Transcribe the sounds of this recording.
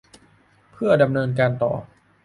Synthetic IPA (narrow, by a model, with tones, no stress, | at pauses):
pʰɯ˥˩ɐda˧mnɤː˧nk̬aː˧nt̪ɔ̰ː˨˩